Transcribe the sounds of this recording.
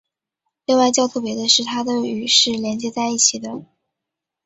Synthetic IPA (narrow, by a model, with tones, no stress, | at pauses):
li˥˧ŋwa˥˧ɪt͡ɕjɑ˥˧ʊt̪ʰɤ˥˩pjɛ˧˥d̪ə˧ʂɻ̩˥˩t̪ʰa˥d̪ə˨y˨˩ʂɻ̩˥˩ljɛ˧˥nt͡ɕjɛ˧˥t͡sa˥˧ɪi˥˩t͡ɕʰi˨˩d̪ə˦